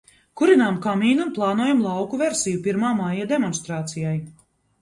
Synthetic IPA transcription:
kuɾinaːmkamiːnunplˠɑːnuɔjamlˠɑwkuveɾsijupiɾmaːmajad̪ɛmɔnst̪ɾaːt̪sijaj

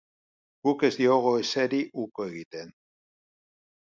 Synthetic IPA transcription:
ɡ̥uke̞zd̪io̞ɣ̞o̞eseɾiʔukoe̞ɣ̞it̪e̞n

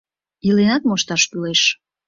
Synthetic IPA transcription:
ilenɑt̪moʃt̪ɑʃpyleʃ

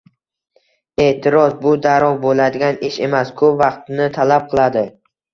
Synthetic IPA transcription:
e̞ːt̪ʰɪɾɒzbʊd̪aɾɒvbolad̪ɪɡʲanɪʃe̞maskʰɵpvɑqt̪nɪt̪ʰalap̚qʰɨlˠad̪ɪ

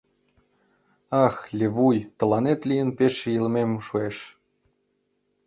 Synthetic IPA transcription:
ɑxlʲeβujt̪ɤ̆lɑnet̪lʲijənpeʃjəlmemʃueʃ

